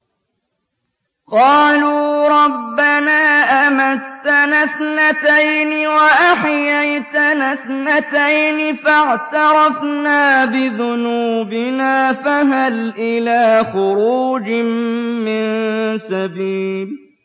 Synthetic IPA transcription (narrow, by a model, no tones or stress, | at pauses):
qɑːluːɾˤɑbːanaːʔamat̪ːanaθnat̪ajnɪwaʔaħjajt̪anaθnat̪ajnɪfaʕt̪ɑɾˤɑfnaːbɪðʊnuːbɪnaːfaɦalʔɪlaːxʊɾuːd͡ʒɪmmɪnsabiːb